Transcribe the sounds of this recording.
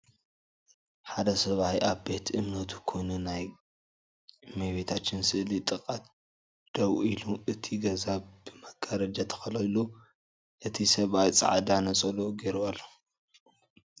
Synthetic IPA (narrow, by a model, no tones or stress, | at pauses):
ħad̪ɐsɐβajʔaβbe̞t̪ʰʔɨmnɐt̪ʰu̥kʰo̞jnunaj | meβet̪ʰat͡ʃːɪnsɨʔlit̪ʼɨkʼat̪ | d̪̥ɐwiluʔɨt̪ʰiɡɐzab̥ɨmɐɡʼɐɾɐd͡ʒat̪ʰɐ̥xɐlɐjlu | ʔɨt̪ʰisɐβʔajt͡sʼa̰ʕd̪anɐt͡sʼɐloɡeɾwalːo